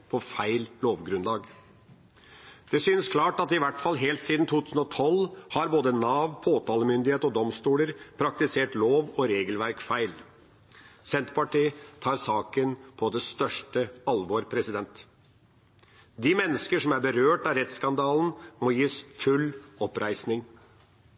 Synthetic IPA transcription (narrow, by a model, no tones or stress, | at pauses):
pʰɔfæɪlloːʋɡɾʉnlɑːɡ | d̪̥ɛsyːnskʰlɑːʈɑt̪ɪʋæʈfɑlɦeːlt̪siːd̪n̩t̪ʰuːt̪ʰʉːsn̩ɔt̪ʰɔlhɑɾboːd̪ənɑːʋpʰoːt̪ʰɑːləmʏnd̪ɪheːt̪ɔd̪ɔmst̪uːləɾpʰɾɑk̚t̪ɪseːʈloːʋɔɾeːɡəlʋæɾkfæɪl | sɛnt̪pɑʈiːt̪ʰɑːɾsɑːkənpʰɔd̪ɛst̪œʂʈəɑlʋoːɾpʰɾɛsɪd̪ɛnt̪ | d̪ɪmɛnːəskəʂɔmæɾbəɾøːʈɑɾɛt̪skɑnd̪ɑːln̩mɔjiːsfʉlːɔpɾʔæɪsnɪŋ